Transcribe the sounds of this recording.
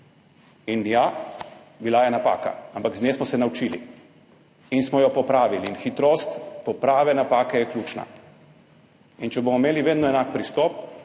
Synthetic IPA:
inja | bilajɛnapa̰ːka̰ampaɡzneːsmɔsɛnawt͡ʃiːlḭ | insmɔjɔpɔpɾaːʋiliːnxit̪ɾost̪pɔpɾaːʋɛnapaːkɛjɛkljuːt͡ʃna̰ | int͡ʃɛbomɔmeːliʋeːd̪nɔɛnak̚pɾist̪ɔp̚

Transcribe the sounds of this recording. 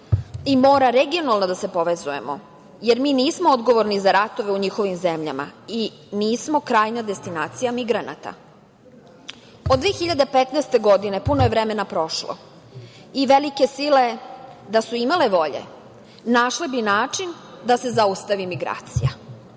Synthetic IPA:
imo̞ːɾaɾe̞ɡio̞nalˠno̞d̪ase̞po̞ʋezuje̞̰mo̰ | je̞ɾmiːniːsmood̪ɡo̞ʋo̞ɾnizaɾat̪o̞ʋe̞uɲixo̞ʋimzemʎa̰ma̰i | niːsmo̞kɾaːjnad̪e̞st̪inaːt̪sijamiɡɾana̰t̪a̰ | od̪ʋeːxiʎad̪epet̪nɛjst̪e̞ɡo̞d̪ine̞punoje̞ʋɾeme̞napɾo̞ʃlo̰ | iʋe̞like̞sile̞d̪asuimale̞ʋo̞ʎḛ | naʃlebinaːt͡ʂin | d̪ase̞zaust̪aʋimiɡɾa̰ːt̪sija

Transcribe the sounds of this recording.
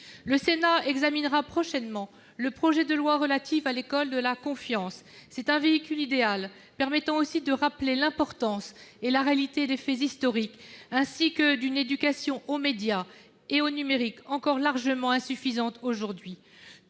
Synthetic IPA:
ləsenaɛɡzaminʁapχɔʃɛnmɑ̃ | ləpχɔʒɛd̪əlwaʁəlat̪ifalekɔld̪əlakɔ̃fjɑ̃sːɛt̪ɛ̃veikʲylid̪eal | pɛʁmɛt̪ɑ̃osid̪əʁaplelɛ̃pɔʁt̪ɑ̃selaʁealit̪ed̪efɛzist̪ɔʁikɛ̃sikəd̪yned̪ykasjɔ̃ʔomed̪ja | eonymeʁikɑ̃kɔʁlaʁʒəmɑ̃ɛ̃syfizɑ̃t̪oʒuʁd̪ɥi

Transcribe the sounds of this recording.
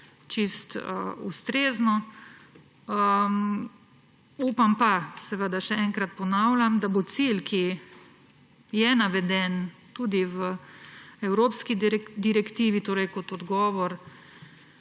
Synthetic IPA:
t͡ʃist̪əust̪ɾeːznɔ | əm | uːpampasɛʋəd̪aʃɛɛŋkɾat̪̚pɔnaːwlʲamd̪abot̪silkʰi | jɛnaʋɛd̪ɛnt̪uːd̪iʋə | ɛwɾoːpskid̪iɾɛkt̪iːʋit̪oːɾɛjkɔt̪ɔd̪ɡɔːʋɔɾ

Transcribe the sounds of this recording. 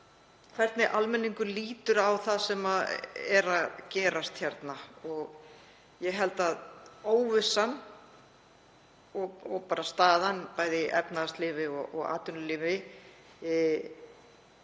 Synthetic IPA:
kʰvɛɾ̥t̪nɪʔalmɛnːiŋkʏliːt̪ʏɾawθaðsɛmaɛɾaðcɛːɾast̪çɛɾt̪naɔɣ | jɛɦɛlt̪aðoːwvɪsːan | ɔɔɣpaːɾast̪aːðanpaːjðɪʔɛ̰pnaðast̪lɪːvɪɔɔ̰ɣa̰ːt̪ʏnʏlɪvɪ

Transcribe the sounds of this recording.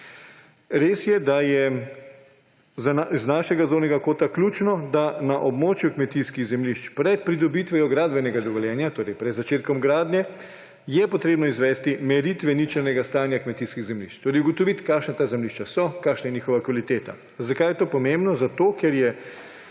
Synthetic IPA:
ɾeːsjɛd̪ajɛ | znaːʃɛɡazloːwnɛɡakoːt̪aklʲjut͡ʃnɔd̪anaʔɔbmoːt͡ʃjukmɛt̪iskiɣzɛmliʃt͡ʃpɾɛt̪̚pɾid̪ɔbit̪ʋɛjɔɡɾaːd̪bɛnɛɡad̪ɔʋɔljɛːnjat̪oːɾɛjpɾɛd̪zat͡ʃeːt̪kɔmɡɾaːd̪nʲɛ | jɛpɔt̪ɾeːbnɔizʋɛst̪imɛɾit̪ʋɛnit͡ʃɛɾnɛɡast̪aːnjakmɛt̪iskiɣzɛmlḭʃt͡ʃt̪oːɾɛɪjuɡɔt̪ɔʋit̪kaːʃnat̪aːzɛmliʃt͡ʃasɔkaːʃnajɛniːxɔʋakʋalit̪eːt̪a̰ | zakaːjɛt̪oːpɔmẽmbnɔzat̪oːkɛɾjɛ

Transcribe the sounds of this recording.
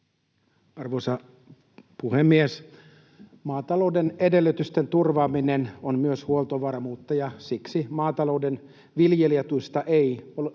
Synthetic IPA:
ɑrʋoːsɑ | puhemːies | mɑːt̪ɑlo̞udenedelːyt̪yst̪ent̪urʋɑːminenonmyøshuolˠt̪oʋɑrmuːt̪ːɑjɑsiksimɑːt̪ɑlo̞uden | ʋiljelijet̪uist̪ɑʔeio

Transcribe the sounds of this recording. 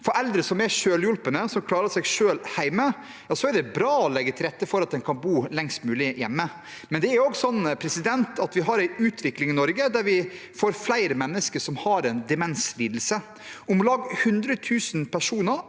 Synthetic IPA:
fɔɾɛld̪ɾəsɔmæʂøːljʊlpənəsɔmkʰlɑːɾəʂɛɡʂøːlhæɪmə | jɑːsɔæɖɛbɾɑːɔlɛɡːət̪ʰɪlɾɛt̪ːəfɔɾɑt̪̚d̪ɛnkʰɑnbuːlɛŋst̪mʉːlɪjɛ̰mːə | mɛnd̪ɛæɾɔɡsɔnːpʰɾɛsɪd̪ɛnt̪ɑt̪ʋɪɦɑɾæɪʉːt̪ʰʋɪklɪŋɪnɔɾɡəd̪æɾʋɪ | foːɾflæɪɾəmɛnːəskəʂɔmhɑɾɛnd̪ɛmɛnsliːd̪l̩sə | ʊmlɑːɡhʉnd̪ɾət̪ʰʉːsənpʰæʂuːnəɾ

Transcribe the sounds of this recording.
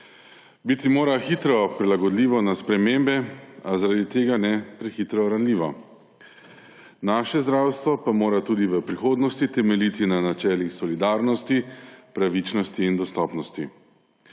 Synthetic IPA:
bit̪imoːɾaxit̪ɾɔpɾilaɡɔd̪liːʋɔnaspɾɛmembɛazaɾad̪it̪eːɡanɛpɾɛxit̪ɾɔɾanliːʋɔ | naːʃɛzd̪ɾawst̪ʋɔpamoːɾat̪ud̪iʋəpɾixoːd̪nɔst̪it̪ɛmɛlit̪inanat͡ʃɛːlixsɔlid̪aːɾnɔst̪ipɾaʋit͡ʃnɔst̪iːnd̪ɔst̪ɔːpnɔst̪i

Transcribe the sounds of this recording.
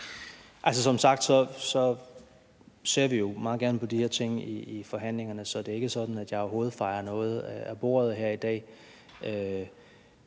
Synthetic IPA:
ʔæls̬əsɒ̽msɑ̈ɡ̥d̥sɒ̽sɒ̽ | se̝ɐ̰ʋijo̝mɑ̈ːð̩ˠɡæɐnəpʰɒ̽d̥iheɐt͡sʰe̝ŋ̰iːfɒ̽ɦæn̰le̝ŋɐnəsɒ̽d̥e̝æe̝ɡ̥əsɒ̽d̥n̩æd̥jɑ̈ɪɒɐɦo̝ːð̞̩ˠfɑ̈ɪɐnɔ̽ːð̞̩ˠæb̥o̝̰ːɐð̞̩ˠɦæɐ̰id̥ɛ̰ː | ʔø

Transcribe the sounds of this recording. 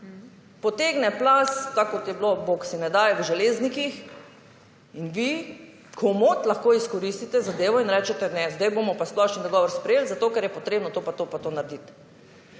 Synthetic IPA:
pɔt̪eːɡnɛplast̪akɔt̪jɛbloboksinɛd̪aːjɛʋəʒɛleːznikix | inʋi | kʰomot̪laxkoːiskɔɾist̪it̪ɛzad̪eːʋɔinɾɛt͡ʃɛt̪ɛnɛzd̪ajbomɔpasplɔʃnid̪ɔɡɔːʋɔɾspɾɛjeːlzat̪oːkɛɾjɛpɔt̪ɾeːbnɔt̪opat̪oːpat̪onaɾd̪it̪

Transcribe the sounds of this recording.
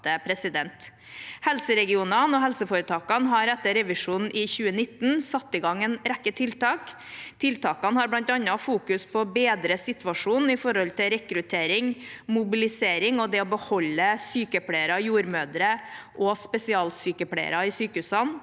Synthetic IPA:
əpʰɾɛsɪd̪ɛnt̪ | hɛlsəɾɛɡɪuːnɑnɔɦɛlsəfoːɾət̪ʰɑːkɑnɦɑɾɛt̪ːəɾɛʋɪʂuːnn̩ʔɪçʉːənɪt̪n̩sɑt̪ːɪɡɑŋɛnɾækːət̪ʰɪlt̪ɑːk | t̪ʰɪlt̪ʰɑːkɑnəhɑɾblɑnt̪ɑnːɑfuːkʉspʰɔbeːd̪ɾəsɪt̪ʋɑʂuːn̩ɪfɔɾɔlt̪ʰɪɾɛkɾʉt̪ʰeːɾɪŋmʊbɪlɪseːɾɪŋɔd̪ɛɔbəhɔlːəsyːkəpʰɽeɪəɾɑjuːɾmøːd̪ɾəʔɔspɛsɪɑːlsyːkəpʰlḛɪə̰ɾɑɪsyːkəhʉːsɑn

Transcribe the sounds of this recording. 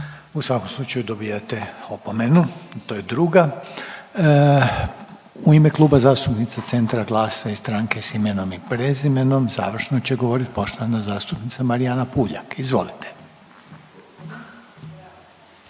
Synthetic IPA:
usʋako̞mslˠut͡ʃajud̪o̞bijat̪eo̞po̞me̞nut̪oːjed̪ɾuːɡa | uimeklˠuːbazaːst̪upnit̪sat̪se̞nt̪ɾaɡlˠaːsaist̪ɾaːŋke̞sime̞no̞mipɾezime̞no̞mza̰ːʋr̩ʃno̞t͡ɕeɡo̞ʋo̞ɾit̪po̞ʃt̪oʋanazaːst̪upnit̪samaɾianapuːʎa̰kizʋo̞̰lit̪ʰe̥

